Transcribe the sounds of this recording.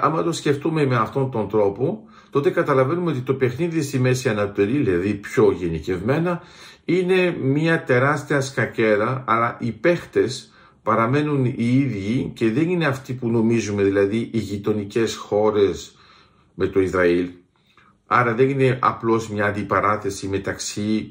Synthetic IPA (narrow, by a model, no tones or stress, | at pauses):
ɐ̰mɐt̪o̞sce̞ft̪ume̞meɐft̪o̞nt̪o̞nd̪ɾo̞po | t̪o̞t̪e̞kɐt̪ɐlɐve̞numeot̪̬it̪o̞pe̞xniðist̪ime̞siɐnɐt̪eɾiilɐðipço̞ʝe̞nice̞vme̞nɐine̞mɲɐt̪e̞ɾɐst̪iɐskɐce̞ɾɐɐlɐʔipe̞xt̪e̞s | pɐɾɐme̞nuniiðʝice̞ðe̞nineɐft̪ipuno̞mizume̞ðilɐðiʔiʝit̪o̞nice̞sxo̞ɾe̞s | me̞t̪o̞izɾɐil | ɐɾɐðe̞nine̞ʔɐ̰plo̞smɲɐːnd̪ipɐɾɐθe̞sime̞t̪ɐksi